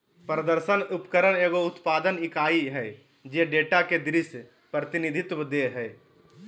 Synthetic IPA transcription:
pɾəd̪əɾsənupkəɾəneːɡoʊt̪paːd̪ənɪkaːiɦɛ | d͡ʒeɖeːʈaked̪ɾis | pɾət̪ɪnid̪ʱɪt̪wəd̪eɦɛː

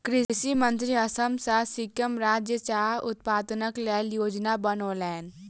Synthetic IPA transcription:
kɾɪʃimə̃nt̪ɾiɐsəmsasɪkjəmɾaːd͡ʒjət͡ʃaːɾʊt̪̚paːd̪nəklɛːljoːd͡ʒnabənoːlɛːn

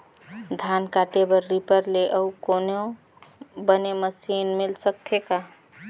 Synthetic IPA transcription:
d̪ʱankaʈebəɾːipəɾleʔəukonõ | bəneməsinmilsək̚t̪ʰeka

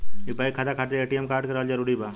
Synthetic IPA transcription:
ibaikʰat̪akʰaːʈt̪eeːʈijəmkaːɾɖkɐɾaːld͡ʒəɾuɽiba

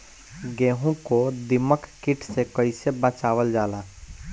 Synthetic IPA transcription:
ɡɛ̃ːɦõkod̪ɪməkʰkɪʈʰsekəɪsebə̃t͡ʃaːʋəld͡ʒaːlaː

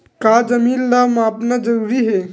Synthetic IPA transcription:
kad͡ʒɐmiːnlamaːpnad͡ʒəɾuɾiɦe

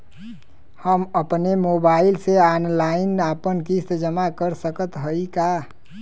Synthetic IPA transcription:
həməpnemobaɪlseanlaɪnapənkist̪d͡ʒəmakəɾsəkət̪ɦəika

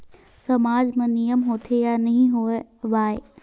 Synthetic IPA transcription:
sɐmaːd͡ʒmẽnijəmɦoːt̪ʰejanɐɦĩɦoeʋaːe

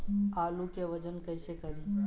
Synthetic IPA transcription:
aːlukeʋəd͡ʒənkəɪsekəɾi

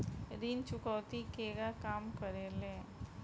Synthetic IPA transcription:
ɾint͡ʃʊkɔːt̪ikeːɡakaːmkəɾeːlẽː

